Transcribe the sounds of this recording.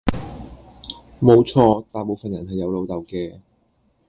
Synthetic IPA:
mo˨˧wt͡sʰɔː˧t̪aː˨˩po˨˧wfɐ˨njɐ˨˩nɦɐ˨jːɐ˨˧wlo˨˧wt̪ɐ˨wkɛː˧

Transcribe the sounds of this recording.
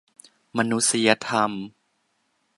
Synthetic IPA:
ma˧nu˦˥si˧ja˧t̪ʰa˧m

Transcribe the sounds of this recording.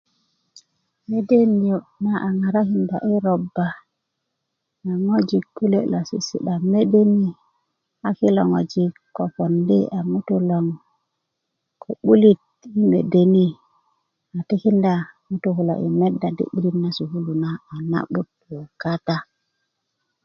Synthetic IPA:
me˦de˦ni˨jo˨na˦ʔa˨ŋa˨ɾa˦ki˦nda̰˨ʔi˦ɾo˨bːa˨ | ŋo˦d͡ʒi˨kːu˦le˦lo˨sḭ˨sḭ˨ɗa˨me˦de˦ni˦ | a˨ki˦lo˨ŋo̰˨d͡ʒi˨ | o˨fo˨ndḭ˦a˨mu˦tu˦lo˨ŋ | kʰo˨ɓu˦li˦t̚ | i˦mḛ˨de˨ni˦ | a˨ti˦ki˦nda˨mu˦tu˨ku˨lo̰˨ʔḭ˨me˦dːa˨dḭ˦ɓi˦li˦na˦su˨hu˦lu˨na˦a˨na̰˦ɓu˦t̚ | o˨ka˦ta˦

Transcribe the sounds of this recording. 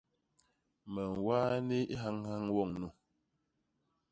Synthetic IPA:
mə˨ŋ˨waː˦ni˦ɦa˦ŋha˦ŋwɔ˦˨ŋnu˨

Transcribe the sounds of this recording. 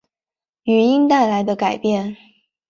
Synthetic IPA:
y˨˩i˥ŋt̪a˥˩ɪla˧˥ɪd̪ə˧ka˨˩ɪpjɛ˥˩n

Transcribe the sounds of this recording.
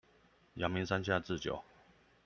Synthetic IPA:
ja˨˩mi˧˦nsa˦nɕ̬ʰja˥˧˨t͡sɹ̩˥˨t͡ɕjo̰˨˩˦ʊ

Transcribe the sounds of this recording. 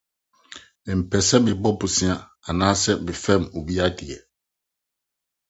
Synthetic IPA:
m̩˨pɛ˨sɛ˦mɪ̃˨bɔ˦bʊ˨sĩ˦a˨a˨nãː˦sɛ˦mɪ̃˨fɛ̃˦˨mo˨bi˦a˦di˨ɛ˨

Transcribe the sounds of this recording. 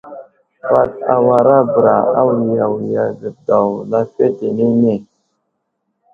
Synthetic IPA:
pa˦t̚a̰˨wa˨ɾa˦bə˨ɾa˨a˦wi˨ja˨wi˨ja˨və˨da˨wla˦fe˦te˨ne˦ne˦˨

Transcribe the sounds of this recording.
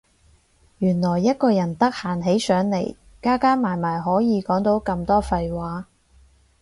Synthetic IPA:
jyː˨˩nlɔː˨˩jːɐ˥t̚kɔː˧jɐ˨˩nt̪ɐ˥k̚haː˨˩nɦe˨˥jsœː˨˥ŋle˨˩j | kaː˥kaː˥nmaː˨˩jmaː˨˩jɦɔː˨˥jiː˨˧kɔː˨˥ŋt̪o˨˥wkɐ˧mt̪ɔː˥fɐ˧jwaː˨˥

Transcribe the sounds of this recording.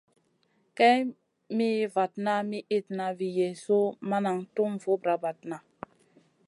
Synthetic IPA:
kɛ˦ | mi˦va˨tna˦mi˦ʔi˦tna˨vi˨je˨so˦ma˦na˨ŋtu˦mvo˦bɾa˨va˨t̚na˨

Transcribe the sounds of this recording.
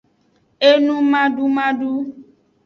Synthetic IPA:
e˦nũ˦mã˦ɖu˦mã˦ɖu˦

